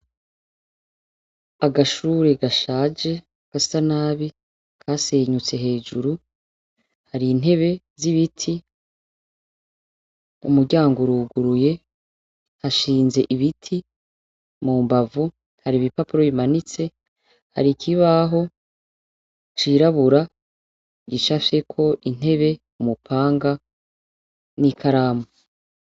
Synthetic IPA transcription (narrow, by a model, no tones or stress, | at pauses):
aɡaʃuːɾe̞ɡaʃaːd͡ʒe̞ | ɡ̥asanaːβi | kʰase̞ːɲut͡se̞ɦe̞ːd͡ʒuɾu | haɾiːn̥e̞βe̞ | ziβitʰi | ṵmuɾɟaːŋɡoɾuːɡuɾuje̞ | haʃiːnze̞ʔiβitʰi | muːmbavu | haɾiβipapuɾo̞imanit͡se̞ | ha̰ɾikʰiβaɦo̞ | t͡ʃiɾaβuɾa | ɟiʃafe̞kʰo̞ʔin̥e̞βe̞ | umupʰaːŋɡa | nikʰaɾamo